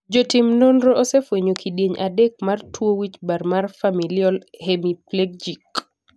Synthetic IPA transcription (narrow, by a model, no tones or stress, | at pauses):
d͡ʒɔtɪmnonɾoʔɔsefweɲokʰiɗjeɲʔadek̚martwowit͡ʃbarmarfamiljɔlhemipleɡ̚d͡ʒik